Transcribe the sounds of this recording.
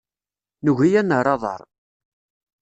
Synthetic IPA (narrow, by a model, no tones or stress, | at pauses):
nuɣijænːəɾˤɑðˤə̰ɾˤ